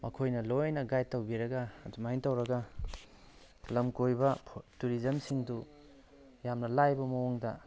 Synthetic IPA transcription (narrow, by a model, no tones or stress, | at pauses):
mɐkʰojnɐlojnɐɡajtːɐwbiɾɐɡɐdumaiŋtɐwɾɐɡɐ | lɐmkojbɐpʰtuɾizɐmsiŋdu | jamnɐlajbɐmɐwuŋdɐ̰